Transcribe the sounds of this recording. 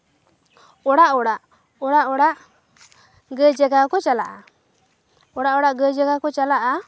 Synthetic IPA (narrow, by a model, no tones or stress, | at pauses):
ɔɽaʔɔɽaʔ | ɔɽaʔɔɽaʔ | ɡəd͡ʒɛɡakɔt͡ʃalaʔa | ɔɽaʔɔɽaʔɡəd͡ʒɛɡakɔt͡ʃalaʔa